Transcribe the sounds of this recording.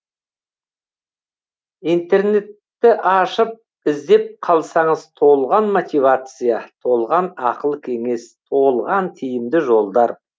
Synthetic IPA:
ijnt̪e̞rne̞t̪ːɪʔɑʃəp̚ | ɪzd̪e̞p̚qʰɑlˠsɑɴəzt̪ʰo̞lˠʁɑnmot̪ʲivat̪sɨjat̪ʰo̞lˠʁɑnɑqəlˠkʲʰe̞ŋe̞st̪ʰo̞lˠʁɑnt̪ʰijɪmd̪ɪʒo̞lˠd̪ɑɾ

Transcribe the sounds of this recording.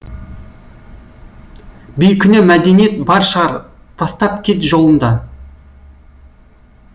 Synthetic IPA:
bʏjkʲʰʏnemæd̪e̞nije̞t̪̚bɑɾʃəʁɑɾ | t̪ʰɑst̪ɑp̚kʲʰe̞t̪ʒo̞lˠənd̪ɑ

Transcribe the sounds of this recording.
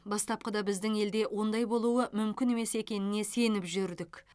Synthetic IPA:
bɑst̪ɑp̚qəd̪ɑbɪzd̪ɪŋe̞ld̪e̞wʔo̞nd̪ɑjbo̞lˠuwəmʏmkʲɪne̞me̞se̞kʲe̞nɪne̞se̞nɪpʒʏɾd̪ɪkʲ

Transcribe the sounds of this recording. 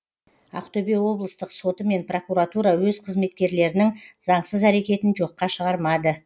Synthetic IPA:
ɑ̰qt̪obewo̞blˠəst̪əqso̞t̪əme̞npro̞kuɾat̪uɾɑwɵzqʰəzme̞t̪̚kʲe̞ɾle̞ɾɪnɪŋz̥ɑɴsəzæɾe̞kʲe̞t̪ɪnʒo̞qːɑʃəʁɑɾmɑd̪ə

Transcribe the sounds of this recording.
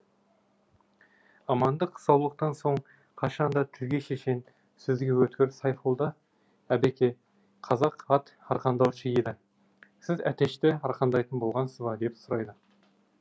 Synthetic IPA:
ɑmɑnd̪əqʰsɑwlˠəq̚t̪ɑnso̞ɴ | qʰɑʃɑnd̪ɑt̪ʰɪɾɡʲe̞ʃeʃe̞n | sɵzɡʲe̞wɵt̪kʲɪɾsɑjfolˠd̪ɑ | æbekʲe̞ | qʰɑzɑqɑt̪ɑɾqɑnd̪ɑwʃəjed̪ɪ | sɪzæt̪e̞ʃt̪ɪɑɾqʰɑnd̪ɑjt̪ənbo̞lˠʁɑnsəzbɑd̪e̞psʊɾɑjd̪ə

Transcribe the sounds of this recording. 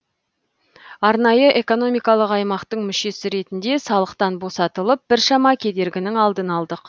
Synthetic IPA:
ɑɾnɑjəʔe̞ko̞no̞mijkɑlˠəqɑjmɑqt̪əɴmʏʃe̞sɪɾe̞t̪ɪnd̪e̞sɑlˠəqt̪ɑnbo̞sɑt̪əlˠəp̚b̥ɪɾʃɑmɑkʲʰe̞d̪e̞ɾɡʲɪnɪŋɑlˠd̪ənɑlˠd̪əq

